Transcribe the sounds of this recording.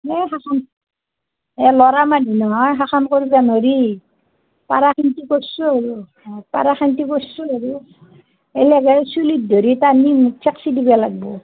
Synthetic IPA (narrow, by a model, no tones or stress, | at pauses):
ɛɦaxan | ɛlɔɾamadʱinɔɦɔjɦaxankoɹibanoɾi | pa̰ɾaxintikosːuaɹu | pa̰ɾaxantikosuaɹu | elɛɡasulid̚dʱoɾitanimusʰɛksidibalaɡ̚bɔ